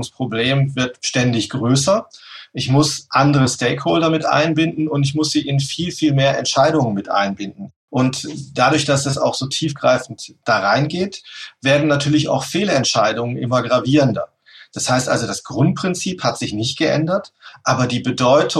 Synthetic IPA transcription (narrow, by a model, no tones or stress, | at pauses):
ʊŋspʁ̥obleːmvɪɐtʃtɛndɪçɡ̥ʁøːsɐʔɪçmʊsʔandəʁəstɛɪkhɔːldɐmɪtʔa̰ɪnbɪndn̩ʊntɪçmʊsz̥iːʔɪnfiːlfiːlmeːɐʔɛ̰ntʃaɪɾʊŋənmɪtʔa̰ɪnbɪndn̩ | ʔʊntd̥adʊɐçd̥asdasa̰ʊxz̥oːtʰiːfɡ̥ʁaɪfn̩td̥aːʁaɪnɡeːtv̥eːɐdn̩nːatʰyːɐlɪça̰ʊxfeːlɛntʃaɪdʊŋənʔɪ̰mɐɡʁaviːʁəndɐ̰ | d̥ashaɪstʔa̰lzodasɡ̥ʁʊnt̚pʁ̥ɪnt͡siːphatz̥ɪçnɪçt̚ɡ̥əʔɛ̰ndɐtʔaːbɐdiːbədɔʏtʰʊ